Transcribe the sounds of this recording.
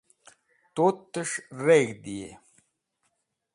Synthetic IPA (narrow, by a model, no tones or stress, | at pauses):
t̪oːt̪ːəʂɾeːɡd̪ijḛ